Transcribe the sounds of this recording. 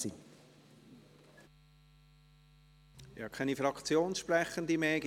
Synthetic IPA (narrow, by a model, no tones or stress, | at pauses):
i | jɑkʰɛnifɾɑkt͡sjoːnsʃpɾɛχənd̪imɛːɡ